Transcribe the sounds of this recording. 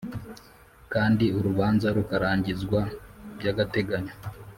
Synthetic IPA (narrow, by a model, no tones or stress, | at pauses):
kaːndiuɾuβaːnzaɾukaɾaːɲɟizɡwabɟaɡate̞ɡaɲo